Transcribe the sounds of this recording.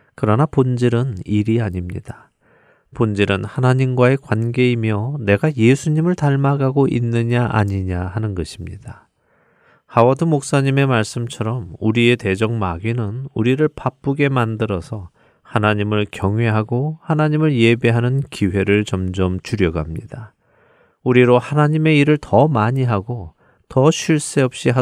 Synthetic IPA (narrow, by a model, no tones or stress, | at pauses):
kɯɾʌnapond͡ʑiɾɯniɾiaɲimɲid̥a | pond͡ʑiɾɯnhanaɲimɡwae̞kwanɡe̞imjʌne̞ɡaje̞sʰuɲimɯɭtaɭmaɡaɡoʔinːɯɲaʔa̰ɲiɲahanɯnɡʌɕʰimɲida | hawʌdɯmok̚s͈aɲime̞maɭs͈ɯmt͡ɕʰʌɾʌmuɾie̞te̞d͡ʑʌŋmaɡinɯnuɾiɾɯɭpap͈uɡe̞mandɯɾʌsʰʌ | hanaɲimɯɭkjʌŋwe̞ɦaɡohanaɲimɯɭje̞be̞ɦanɯnkiwe̞ɾɯɭt͡ɕʌmd͡ʑʌmt͡ɕuɾjʌɡamɲḭd̥a | uɾiɾohanaɲime̞iɾɯɭtʌmaɲiɦaɡo | tʌɕʰiɭs͈e̞ʌp̚ɕ͈iɦ